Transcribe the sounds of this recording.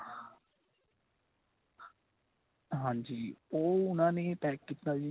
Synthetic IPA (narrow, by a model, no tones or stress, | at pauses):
ɦãːɲd͡ʒiːoːʊnãːnẽːʈɛːkːit̪naːd͡ʒiː